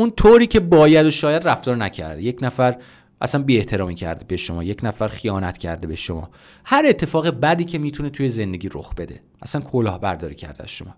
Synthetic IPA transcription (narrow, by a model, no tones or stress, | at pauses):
unt̪ʰoɾiːcʰe̞bɒːjæd̪oʃɒːjæd̪ræft̪ɒːɾnæcʰæ̰ɾd̪je̞cnæfæɾ | ʔæ̰sænbiːeht̪ʰe̞ɾɒːmiːcʰæ̰ɾd̪ebeʃo̞mɒ̰ːje̞cnæfæɾxijɒːnæt̪ʰcʰæ̰ɾd̪ebeʃomɒ̰ː | hæɾe̞t̪ʰːe̞fɒːɣebæd̪iːcʰe̞miːt̪ʰune̞t̪ʰujeze̞nd̪e̞ɟʲiːɾo̰xb̥e̞d̪e̞ | ʔæsænkʰolɒːhbæɾd̪ɒːɾḭːcʰæ̰ɾd̪eæ̰z̥ʃo̞mɒ̰ː